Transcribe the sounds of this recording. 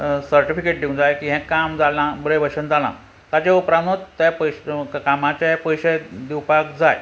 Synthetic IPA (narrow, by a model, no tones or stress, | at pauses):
səɾʈifikeʈ̚d̪iund͡zajkiɦɛ̃kamd͡zalãbəɾeʋəɕənd͡zalã̰ | t̪at͡ɕaupɾanot̪t̪apəjɕkamat͡ɕapəjɕed̪iwpakd͡zaj